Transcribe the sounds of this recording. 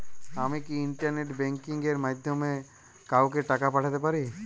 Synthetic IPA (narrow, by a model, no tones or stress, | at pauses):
amikiiɳʈaɾneʈbɛ̃ŋkiŋɡeɾmajd̪ʱjome | kawkeʈakapaʈʰat̪epaɾi